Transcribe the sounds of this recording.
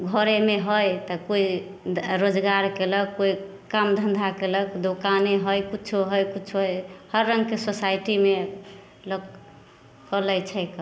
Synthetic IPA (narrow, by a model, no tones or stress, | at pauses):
ɡʱəɾemeɦɔjt̪ɔkoi | ɾod͡ʒɡaɾkeləɡ̚koi | kamd̪ʱənd̪ʱakeləɡd̪okaneɦɔjkut͡ʃʰuɦɔjkut͡ʃʰojhəɾːəŋɡkesosaiʈime | ləɡ | kələjt͡ʃʰəjkə